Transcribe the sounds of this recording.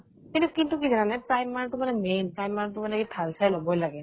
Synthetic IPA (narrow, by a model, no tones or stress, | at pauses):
kinukintukizananɛpɹajmːatumanɛmenpɹajmːaɹk̚tumanɛkitʰalsajlobɔjlaɡɛ